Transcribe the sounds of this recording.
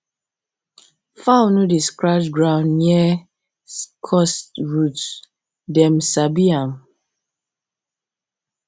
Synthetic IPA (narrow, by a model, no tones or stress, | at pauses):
faunudiskɹat͡ʃɡɹãʊ̃nːiɛ | kʰɔsɹut | dɛmsabiam